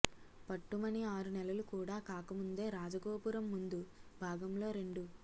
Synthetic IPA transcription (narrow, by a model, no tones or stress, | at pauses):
pɐʈːumɐniaːɾunɛlɐlukuːɽaːkaːkɐmund̪e̞ːɾaːd͡ʒɐɡo̞ːpuɾɐmːund̪ubʱaːɡɐmlo̞ːɾe̞ɳɖu